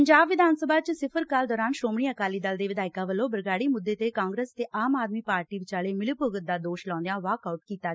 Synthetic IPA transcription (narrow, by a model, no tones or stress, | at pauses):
əɲd͡ʒaːbʋɪd̪ʱaːnsəbaːt͡ʃsɪpʰəɾkaːld̪ɔːɾaːnʃoːmɳiːəkaːliːd̪əld̪eːʋɪd̪aːɪkaːʋəlːõːbəɾɡaːɽiːmʊd̪ːeːt̪eːkaːŋɡɾeːst̪eːʔaːmaːd̪miːpaːɾʈiːʋɪt͡ʃaːleːmɪlɪpəɡət̪̚d̪aːd̪oːʃlãːnd̪jãːʋaːkaːʊʈ̚kiːt̪aː